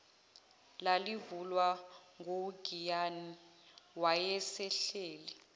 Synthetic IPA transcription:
lalivulwaŋʱoɡʱijani | wajɛsɛɬeːli

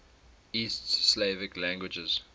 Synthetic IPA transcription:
istsleɪvɪklæ̃ŋɡwɪd͡ʒəz̥

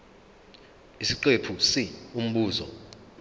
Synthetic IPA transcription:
isiǃepʰusium̩ɓuːzɔ̰

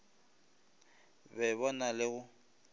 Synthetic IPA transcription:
bɛβɔnalɪɣʊ

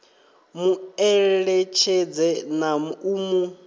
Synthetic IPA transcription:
muɛɺɛt͡ʃʰed͡zɛnaumu

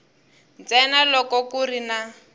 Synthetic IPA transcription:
nt͡sɛnalɔkɔkurina

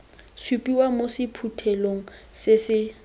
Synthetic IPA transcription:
supʼiwamosɪpʰutʰeloŋ̩sɪsɪ

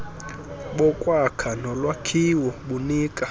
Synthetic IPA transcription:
ɓɔkʼwakʰanɔlwakʰiwɔɓuniːkʼa

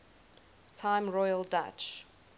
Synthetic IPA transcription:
tʰãɪ̃mɹɔjəlˠda̰t͡ʃ

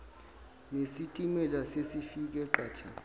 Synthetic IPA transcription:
nesitʼimɛlasesifik̬ʼɛǃaːt͡ʃʰa

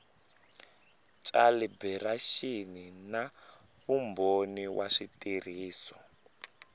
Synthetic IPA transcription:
t͡ʃʼalibɛraʃinina | βumboniwʔaʂitir̤iːsɔ

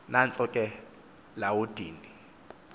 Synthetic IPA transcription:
nan̩t͡sʼɔkʼɛ | laʊd̥ʱiːni

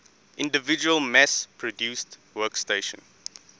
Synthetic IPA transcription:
ʔɪ̃ndəvɪd͡ʒuəlˠmɛspʰɹɔdjuːst | wɜksteɪʃə̰̃n

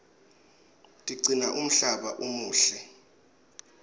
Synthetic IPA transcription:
tʼiǀinaʔum̩ɬaɓa̰ʔumuːɬɛ

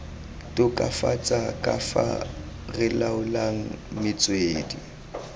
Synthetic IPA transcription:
tʼʊkʼafat͡sʼakʼafa̰ | rɪlaʊlaŋ̩mɪt͡sʼweːdi

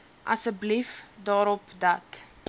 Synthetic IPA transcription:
ʔɐ̰səblifdɑːɾɔpdɐt

